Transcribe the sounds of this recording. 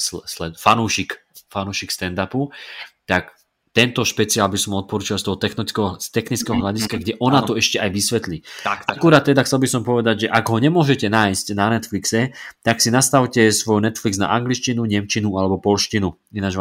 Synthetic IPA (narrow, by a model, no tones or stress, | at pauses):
slɛfanuːʃik | fanuːʃikst̪ɛnd̪aput̪ak | t̪ɛnt̪ɔʃpɛt͡siaːlbisɔmɔt̪̚pɔɾuːt͡ʃalst̪ɔɦɔt̪ɛxnit͡skɛɦɔst̪ɛxnit͡skɛɦɔɦlaɟiskaɡɟɛʔɔnaɔɛʃcɛʔajʋisʋɛt̪liakuɾat̪̚ːɛd̪axt͡sɛlbisɔmpɔʋɛd̪aɟʒɛʔaɡɦɔɲɛmʊɔʒɛcɛnaːjscnanɛt̪fliksɛt̪aksinast̪aʊcɛsʋɔjnɛt̪flikzna̰ʔaŋɡliʃcinuɲɛmt͡ʃinualɛbɔpɔlʃcinu | inad͡ʒ